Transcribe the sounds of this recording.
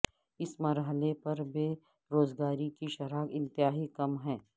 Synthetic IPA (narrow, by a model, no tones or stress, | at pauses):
ɪsmɐɾɦəlepɐɾbeː | ɾoːzɡaːɾikiʃɐɾaːkɪ̃nt̪ɪɦaːɦikɐmɦɛ̃ː